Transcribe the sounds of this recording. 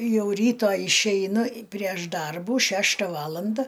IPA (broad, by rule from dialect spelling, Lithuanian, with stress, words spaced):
ˈjɛʊ ˈrʲiːtoː ɪʃʲɛɪˈnʊ pʲrʲiɛʃ ˈdɐrbuː ˈʃʲæːʃtɐ ˈʋɑːlˠɐndɐ